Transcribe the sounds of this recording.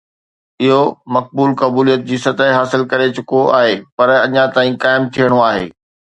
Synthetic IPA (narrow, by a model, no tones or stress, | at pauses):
ɪɦomɐk̚buːlkɐbuːlijət̪̚d͡ʑiːsɐt̪aɦɦaːsɪlkɐɾet͡ɕʊkoʔa̰ːɦeːpɐɾɐɲãt̪aːĩkaːɪmt̪ʰijəɽ̃oaːɦḛː